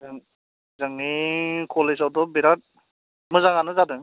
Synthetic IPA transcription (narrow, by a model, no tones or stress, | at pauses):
aŋ | zaŋnikʰɔlesawdɔbeɾat̚ | mɯzaŋanɯzadɯŋ